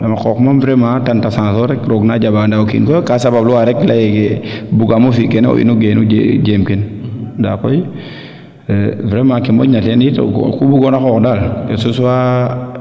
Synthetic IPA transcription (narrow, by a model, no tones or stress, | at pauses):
amakokmamvɾematantasãːsoɾekɾoɡnad͡ʒabaːndaokḭnkokasababluwaɾeklajekebuɡamofikeneo̰ʔḭnuɡenud͡ʒed͡ʒemkindakoj | vɾemakemo̰ɲatenito̰kkubuɡonakokdalkesuswa